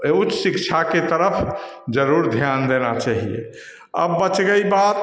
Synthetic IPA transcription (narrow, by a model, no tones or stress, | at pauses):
ut͡ʃːsikt͡ʃʰaket̪əɾəpʰd͡ʒəɾuɾd̪ʱjand̪enat͡ʃaɦḭḛ | ə̰bːət͡ʃɡəibat̪